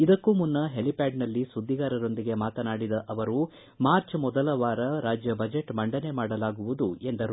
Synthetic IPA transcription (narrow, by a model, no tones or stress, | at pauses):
id̪ɐkːumunːɐɦelipaːɖnɐlːisud̪ʱːiɡaːɾɐɾo̞nd̪iɡe̞maːt̪ɐnaːɽid̪ɐʔɐʋɐɾu | maːɾt͡ʃmɔd̪ɐlɐʋaːɾɐɾaːd͡ʒjɐbɐd͡ʒe̞ʈmɐɳɖɐne̞maːɽɐlaːɡuʋud̪ue̞nd̪ɐɾu